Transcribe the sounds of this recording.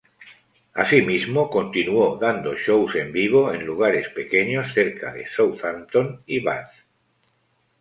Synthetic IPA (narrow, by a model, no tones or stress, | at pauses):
a̰simizmoko̞nt̪inuoðand̪oʃowse̞mbiβ̞oḛ̃nluɣ̞aɾe̞spe̞keɲosθe̞ɾkaðḛsowθant̪oniβa̰nθ